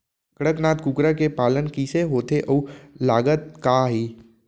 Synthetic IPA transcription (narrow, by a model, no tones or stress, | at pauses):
kəɽəknaːt̪kukɾakepaːlənkiːseɦoːt̪eʔəːlaːɡət̪̚kaːɦiː